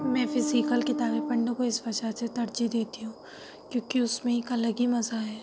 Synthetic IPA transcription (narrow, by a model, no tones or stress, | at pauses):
mɛ̃ːfɪzikəlkɪt̪aːbepɐ̃ɳɖõkoɪsbɐd͡ʒaset̪ɐɾd͡ʒid̪eːt̪iɦũː | kjõːkiʊsmẽikalɐɡimɐzaɦɛː